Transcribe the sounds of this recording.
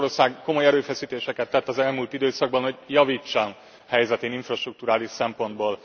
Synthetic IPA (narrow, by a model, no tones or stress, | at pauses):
ɾorsaːɡko̞mo̞jɛɾøːfɛsiːt̪eːʃɛkɛt̪ːɛt̪ːɒzɛlmuːlt̪id̪øːsɒɡ̚bɒnho̞ɟjɒviːt͡ʃːɒn | hɛjzɛt̪eːniɱfrɒʃt̪ruk̚t̪uɾaːliʃsɛmpo̞nd̪boːl